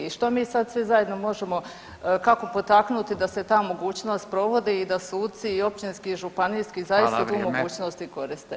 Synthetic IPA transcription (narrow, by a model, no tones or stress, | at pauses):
iʃt̪o̞miːsad̪sʋizaje̞d̪no̞mo̞ʒe̞mo̞ | kako̞po̞t̪aknut̪id̪ase̞t̪aːmo̞ɡuːt͡ɕno̞ːst̪̚pɾo̞ʋo̞d̪iid̪asuːd̪t̪siːo̞p̚t͡ʃinskiʒupanijskizajist̪at̪uːmo̞ɡuːt͡ʃno̞st̪iko̞ɾist̪e